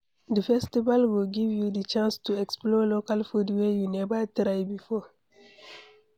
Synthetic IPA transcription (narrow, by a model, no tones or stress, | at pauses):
dəfɛstivalwilɡivjudət͡ʃãnstuɛksplɔlokalfudwɛjunɛvətɾajbifɔ